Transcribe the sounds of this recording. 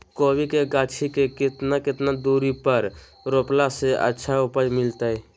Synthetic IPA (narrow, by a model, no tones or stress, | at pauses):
koːwikeɡaːt͡ʃʰikekɪt̪nakɪt̪nad̪uːɾipəɾ | ɾoːplaseʔə̰tːʃʰaʊpəd͡ʒmɪlt̪aɛ